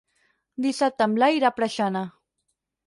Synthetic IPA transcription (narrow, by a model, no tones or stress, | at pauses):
d̪isat̪amlajɾapɾaʃana